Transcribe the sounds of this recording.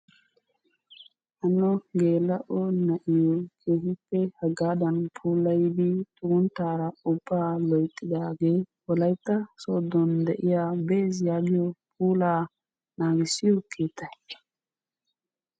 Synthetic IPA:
ʔɐnːɔɡe̞ːlːɐʔɔnɐʔɪjɔkʰe̞ːhɪpːɛhɐɡaːd̪ɐnpʰuːlːɐjd̪ɪt̪ʊɡʊnt̪ːaːɾɐʊbːaːlɔjt̪ʼːɪd̪aːɡe̞ː | ɔlɐjt̪ːɐsoːd̪ːɔnd̪ɛʔɪjaːbeːzjaːɡɪjɔpʰuːlaː | naːɡɪsɪjɔkʰeːt̪ʰːɐj

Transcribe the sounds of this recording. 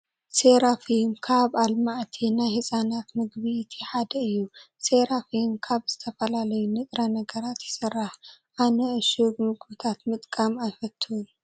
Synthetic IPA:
seɾafimkʰaβalmaʔt̪ʰinajhɨsʼanat̪mɨɡβiːt̪ʰiħad̪ɐɨjːu | seɾafimkʰaβz̥ɨt̪ʰɐfɐlalɐjunɨt̪ʼɾanɐɡɐɾat̪jɪsɨrːaħʔanɐʔɨʃubmɨɡbɨt̪ʰat̪mɨt̪ʼkʼamajfɐt̪ʰːu

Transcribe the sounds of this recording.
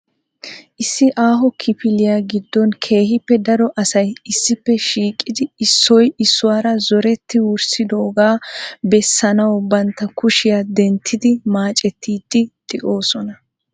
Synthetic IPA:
ʔɪsːɪʔaːɦɔkʰɪpɪlɪjaɡɪd̪ːɔnkʰe̞ːhɪpːɛd̪ɐɾɔʔɐsɐjɪsːɪpːɛʃiːkʼːɪd̪ɪɪsːɔjɪsːʊwaːɾɐzɔɾɛt̪ːɪwʊɾsɪd̪oːɡaːbɛsːɐnɐwɔbɐnt̪ːɐkʊʃɪjad̪ɛnt̪ʰːɪd̪ɪmaːt͡ʃʼɛt̪ːiːd̪̥ːɪd̪ʼɪʔo̞ːsɔnɐ

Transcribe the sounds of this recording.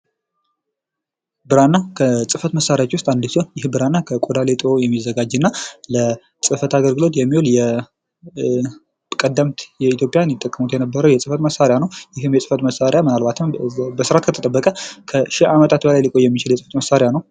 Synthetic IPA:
bɨɾanːakʰəsʼɨfət̪məsːaɾjat͡ʃːwʊst̪ʼand̪ɨsonjɪhbɨɾanːakʰəkʼod̪alet̪ʼojɛmːizːəɡad͡ʒɨnːalə | sʼɨfət̪ʰaɡəlɡɨlo̞t̪jɛmːiwoljɛ | kʼəd̪ːəmt̪jɛit̪jo̞pʼjanjɪt̪ʼːəkʼːəmut̪ʰjɛnəbːəɾəwjɛsʼɨfət̪məsːaɾejanəwjɪɦɨmjɛsʼɨfət̪məsaɾejamɨnalbat̪ʰɨmbəsɨɾat̪kʰət̪ʰət̪ʼəbːəkʼəkʰəʃihamət̪ʰat̪bəlajlɨkʼo̞jɛmːit͡ʃɪljɛsʼɨfət̪məsːaɾɪjanəw

